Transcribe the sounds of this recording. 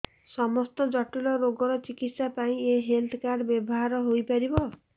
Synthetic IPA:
sɔmɔst̪ɔd͡ʒɔʈulɔɾoɡɔɾɔt͡ʃikit̪sapaĩeɦelt̪ʰkaɾɖbjɔbɔɦaɾɔɦojpaɾibɔ

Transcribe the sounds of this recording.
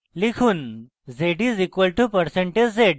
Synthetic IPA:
likʰuːn | zeʈiːzikʋəlʈupəɾsẽɳʈed͡ʑzeɽ

